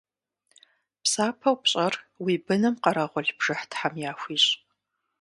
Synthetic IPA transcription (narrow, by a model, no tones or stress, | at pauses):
psaːpʰɐwpɕʼɐrwiːbɨnɨmqɐɾɐʁʷɔɮb̥ʐ̥ɨħtħamjaːxʷiːɕʼ